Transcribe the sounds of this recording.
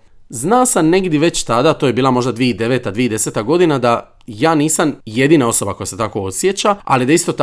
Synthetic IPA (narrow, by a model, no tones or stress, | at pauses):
znaːsamne̞ɡd̪jeʋe̞t͡ɕt̪ad̪at̪oːje̞biːlamo̞ʒd̪ad̪ʋieid̪e̞ʋeːt̪ad̪ʋiːeid̪ese̞t̪aɡo̞d̪inad̪a | jaːniːsamje̞d̪iːnao̞so̞bako̞jase̞t̪ako̞osje̞t͡ɕaa̰lid̪aist̪o̞t̪